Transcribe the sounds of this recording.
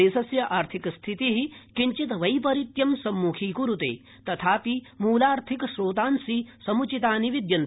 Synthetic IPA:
eːsɐsjɐʔaːɾt̪ʰikst̪ʰit̪iɦikiɲt͡ʃit̪ʋɐjpɐɾit̪jɐmsɐmːuːkʰiːkuɾut̪ḛː | t̪ɐt̪ʰaːpimuːlaːɾt̪ʰikʃɾoːt̪aːnsisɐmut͡ʃit̪aːniʋid̪jɐn

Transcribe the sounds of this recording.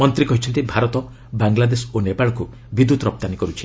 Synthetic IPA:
mɔnt̪ɾikɔɦit͡ʃʰɔnt̪ibʱaɾɔt̪ɔ | baŋɡlad̪esɔonepaɭɔku | bid̪ːut̪ɾɔp̚t̪anikɔɾut͡ʃʰi̥

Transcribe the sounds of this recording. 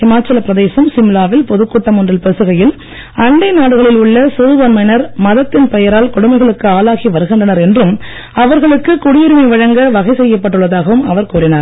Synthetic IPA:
ɪmaːt͡ʃːɐlɐpɾɐðeːsɐmsɪmlaːʋɪlpɔðɯkːuːʈːɐmʊndrɪlpɛsɯɣɐjɪl | ɐɳɖɐɪnaːɽɯɣɐɭɪlʊɭːɐsuːðʋɐnmɐɪnɐɾmɐðɐt̪ːɪnpɛjɐɾaːlkʊɽʊmɐɪɣɐɭɯkːɯaːlaːɣiʋɐɾɯɣɪndrɐnɐɾɛndrɯm | ɐʋɐɾɣɐɭɯkːɯkʊɽɪjɪɾɪmɐɪʋɐɻɐŋɡɐʋɐɣɐɪsɛjːɐpːɐʈːɯɭːɐðaːɣɐʋɯmɐʋɐɾkuːɾɪnaɾ

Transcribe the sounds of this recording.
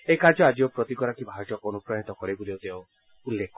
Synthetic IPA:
ejkaɾd͡ʒɔad͡ʒiopɾɔt̪ikɔɾakibʱaɾd͡ʒɔkɔnupɾajɔt̪ɔkɔɽibud̪ewt̪eõ | ulːekʰɔ

